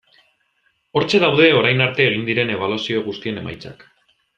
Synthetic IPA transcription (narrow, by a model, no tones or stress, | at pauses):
o̞ɾt͡ʃe̞ðawðe̞o̞ɾajnaɾt̪e̞ːɣ̞ind̪iɾe̞ne̞β̞alusio̞ɣ̞ust̪iene̞̰ma̰jt͡sa̰k